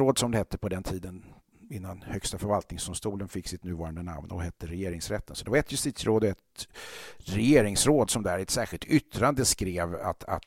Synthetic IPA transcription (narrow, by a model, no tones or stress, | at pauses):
ɾoːd̪sɔmd̪ɛhɛt̪ʰːəpʰɔd̪ɛnt̪ʰiːd̪ən | ɪnːanhœkst̪afœɾvalt̪nɪŋsd̪̥ʊmst̪uːlənfɪkːsɪt̪nʉ̟ːvɑːɾand̪əna̰mnɔ̰ɦɛt̪ʰːəɾɛjeːɾɪŋsɾɛt̪ːənsɔd̪ɛvaɾɛt̪ʰjɵst̪it̪sɾoːd̪ɔɛt̪ | ɾɛjeːɾɪŋsɾoːd̪sɔmd̪æɾɛt̪sæːɾɧɪlt̪ʏt̪ːɾand̪əskɾeːva̰t̪ʰa̰t̪